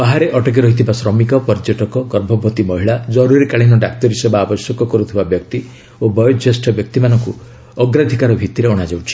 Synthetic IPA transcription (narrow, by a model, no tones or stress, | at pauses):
baɦaɾeʔɔʈɔk̬iɾɔɦit̪ʰibasɾɔmikɔpɔɾid͡ʒɔʈɔkɔɡɔɾbʱɔbʱɔt̪imɔɦiɭad͡ʒɔɾuɾikaɭinɔɖakt̪ɔɾisebaːbɔsjɔkɔkɔɾut̪ʰibabjɔkt̪i | obɔjɔd͡ʒesʈʰɔbjɔk̚t̪imanɔŋku | ɔɡɾad̪ʱikaɾɔbʱit̪iɾeɔɽ̃ad͡ʒawt͡ʃʰi̥